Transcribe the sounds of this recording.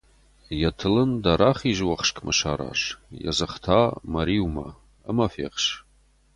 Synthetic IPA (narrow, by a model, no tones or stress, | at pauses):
jatʰɨlɨndaɾaχiʒwaχʂkʼmʔaʃaɾa̰ʂja̰zɨχtʰamaɾiwma̰ | əmafḛqʃ